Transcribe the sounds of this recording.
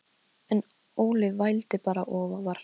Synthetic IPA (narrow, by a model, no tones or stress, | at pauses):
ɛn | oːwlɪðvajlt̪ɪpaːɾa̰ʔɔːvavaɾ̥